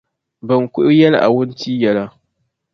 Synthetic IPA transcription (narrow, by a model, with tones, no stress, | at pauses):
bɐ˨ŋkʷʊ˦ʔjɐ˦la˨ʔa̰˨wʊ˦ntiː˦jɐ˦la˦